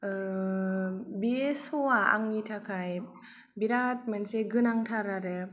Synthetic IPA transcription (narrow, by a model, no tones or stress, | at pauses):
ɯ | biesoaa̰ŋitʰakʰaj | biɾat̚mɯnseɡɯnaŋtʰaɾaɾɯ